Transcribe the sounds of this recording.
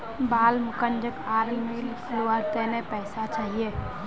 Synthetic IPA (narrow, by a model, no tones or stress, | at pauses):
baːlmukənd͡ʒəkaːɾəlmiːlkʰluəɾt̪enepɛːsat͡ʃaɦije